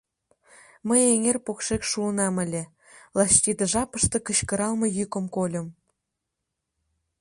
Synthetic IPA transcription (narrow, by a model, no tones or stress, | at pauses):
mə̆jeŋerpokʃekʃuənɑmɘ̆lʲĕ | lˠɑst̪ʲid̪ɤ̆ʒɑpə̆ʃt̪ɤ̆kə̆ɕkɤ̆ɾɑlˠmɤ̆jykə̆mkolʲə̆m